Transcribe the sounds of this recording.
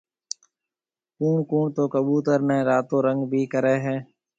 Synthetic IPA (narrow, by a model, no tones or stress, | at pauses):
kuːɳkuːɳt̪oːkəɓuːt̪əɾnẽːɾaːt̪oːɾəŋɡbʱiːkəɾeːɦɛ̃ː